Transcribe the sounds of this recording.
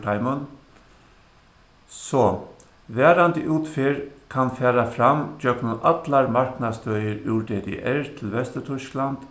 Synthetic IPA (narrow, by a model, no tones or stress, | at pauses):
ʈʰaɪmʊn | sɔ | ʋɛːɾand̪əʔuːt̪fɪɹkʰanfɛːɾafɾamd͡ʒœknʊnʔat̪laɹmaɹknad̪st̪œjəɾʉːɾd̪ɛːd̪ɛ̰ʔɛɹt̪ʰɪlʋɛst̪ət̪ʰʏʃkland̪̥